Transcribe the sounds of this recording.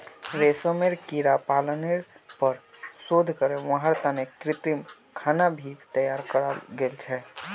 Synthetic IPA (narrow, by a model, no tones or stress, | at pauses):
ɾesəmeɾkiɾapaləneɾpəɾsod̪ʱkəɾeʋə̃ɦəɾt̪anekɾɪt̪im | kʰaːnabʱit̪əjaːɾkəɾalɡeːlt͡ʃʰɛ